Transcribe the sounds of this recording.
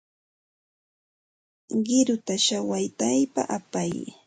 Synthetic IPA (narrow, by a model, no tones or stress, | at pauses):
ɢɪɾʊt̪aʃawajt̪ajpa̰ʔapaj